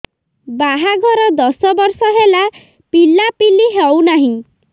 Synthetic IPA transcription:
baɦaɡʱɔɾɔd̪ɔsɔbɔɾsɔɦela | pilapiliɦewnaɦĩ

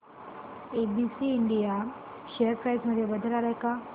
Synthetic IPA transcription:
ebisiːɳɖija | ɕejəɾpɾajsməd̪ʱjebəd̪ʱəɾalajka

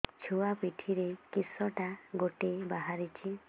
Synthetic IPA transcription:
t͡ʃʰuapiʈʰiɾekisɔʈaɡoʈebaɦaɾit͡ʃʰi

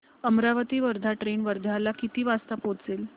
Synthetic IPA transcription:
əmɾaʋət̪iːʋəɾd̪ʱaʈɾenʋəɾd̪ʱalakit̪iːʋast̪əpot͡sel

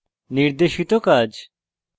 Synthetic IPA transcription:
niɾd̪eʃit̪okad͡ʒ

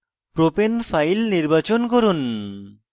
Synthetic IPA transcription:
pɾopenfajlniɾbat͡ɕonkoɾun

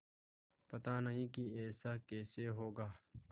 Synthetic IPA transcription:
pɐt̪aːnɐɦĩːkiɛːsaːkeːseːɦoːɡaː

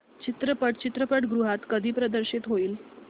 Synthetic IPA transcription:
t͡ɕit̪ɾəpəʈt͡ɕit̪ɾəpəʈɡɾuɦat̪kəd̪ʱiːpɾəd̪əɾɕit̪ɦoiːl

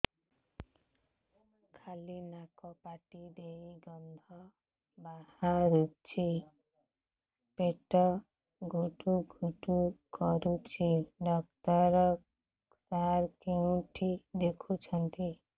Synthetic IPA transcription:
kʰalinakɔpaʈid̪eiɡʌnd̪ʱʌ | bahaɾut͡ʃʰi | peʈɔ | ɡʱuʈuɡʱuʈukɔɾut͡ʃʰiɖʌk̚t̪ʌɾ | saɾkiũʈʰid̪ekʰut͡ʃʰʌnt̪i

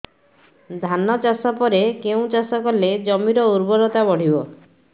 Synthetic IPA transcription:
d̪ʱanɔt͡ʃasɔpɔɾekeũt͡ʃasɔkɔled͡ʒɔmiɾɔuɾbɔɾɔt̪abɔɽ̤ibɔ

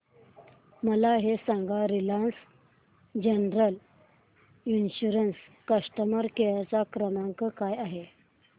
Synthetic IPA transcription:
məlaɦesãŋɡaɾilans | d͡ʑənɾəl | inɕuɾənskəʂʈəməɾkejat͡sakɾəmaŋkəkajaɦe

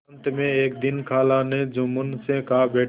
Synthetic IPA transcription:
nt̪mẽeːkd̪ɪnkʰaːlaned͡ʒʊmʊnsẽkabeː

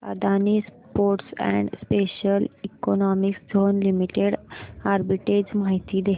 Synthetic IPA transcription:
a̰d̪ʱanispoɾʈsɛ̰ɳɖspeɕəlikonɔmiksd͡zʱonlimiʈeɽaɾbiʈed͡ʑmaɦit̪iːd̪e

